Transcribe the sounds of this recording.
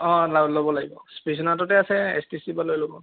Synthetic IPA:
ɔ̃lalobɔlaɡibɔspisɔnatɔtɛasɛḛstisibalojlobɔ

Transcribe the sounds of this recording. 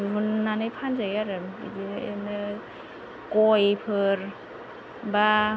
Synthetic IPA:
ɦunːanɯjpʰanzajaɾɯmḭdiḛnɯ | kɔjpʰɯɾ | ba

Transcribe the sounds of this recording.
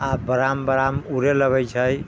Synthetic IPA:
abəɾambəɾamuɾeləɡəjt͡ʃʰəj

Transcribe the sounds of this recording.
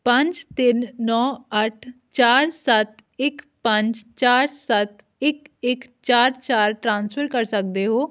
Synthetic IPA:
pə̃ɲd͡ʒt̪ɪnːɔːəʈʰ | t͡ʃaːɾsət̪ɪk | pə̃ɲd͡ʒt͡ʃaːɾsət̪ | ɪkɪkt͡ʃaːɾt͡ʃaːɾʈɾãːnspʰəɾkəɾsək̚d̪eːɦoː

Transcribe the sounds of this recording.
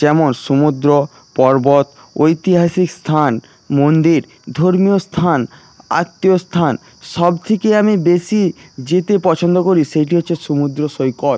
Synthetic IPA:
d͡ʑɛmonʃomud̪ɾo | pɔɾbot̪ | ojt̪iɦaʃikst̪ʰan | mond̪iɾ | d̪ʱoɾmiost̪ʰan | a̰t̪ːiost̪ʰan | ʃɔbt̪ʰekeamibesid͡ʑet̪epɔt͡ɕʰond̪okoɾiʃejʈ̬iɦotːʰeʃomud̪ɾoʃojkoɾ

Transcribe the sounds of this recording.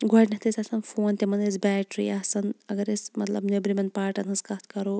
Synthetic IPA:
ɡɐʈʲnɐht̪ʰisʲɐsɐnfoːnt̪ʲemɐnesbɛːʈɾḭɐsɐnɐɡɐɾesmɐt̪lɐbnebɾimɐnpaːɾʈɐnɨskɐt̪ʰkɐɾo

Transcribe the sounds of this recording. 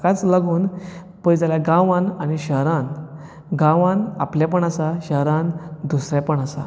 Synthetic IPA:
kat͡slaɡuːn | pəjd͡zaljaɡãʋãnañiɕəɦɾan | ɡãʋãnapljapəɳasaɕəɦɾãnd̪usɾjapəɳasa̰

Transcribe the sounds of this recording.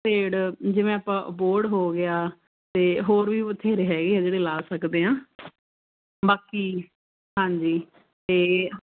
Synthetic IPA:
peːɽd͡ʒɪʋẽaːpãːboːɾɽɦoːɡɪaː | t̪eːɦoːɾʋiːʊt̪ʰːeːɾeːɦɛːɡeːaːd͡ʒeːɽeːlaːsəkd̪eːãː | baːkiː | ɦãːɲd͡ʒiː | t̪eː

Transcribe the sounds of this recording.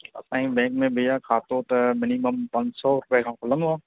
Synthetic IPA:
ɐ̰sãːɦĩbɛ̃ːŋkmẽbijakʰaːt̪oːt̪mɪniməmpɐ̃ɲd͡ʒsɔɾʊpekʰãkʊlənɦuaː

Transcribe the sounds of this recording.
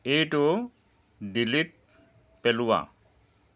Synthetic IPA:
ejʈo | ɖilit̪̚ | peluwa̰

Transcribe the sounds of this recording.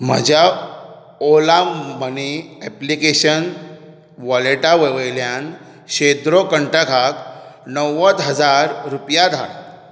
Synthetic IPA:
m̤ə̰d͡ʑʱja | olaməniɛplikeɕən | ʋɔleʈaʋeʋəjljan | ɕed̪ɾokəɳʈakʰaknəʋət̪ɦəd͡zaɾɾupjad̪ʱa̰l

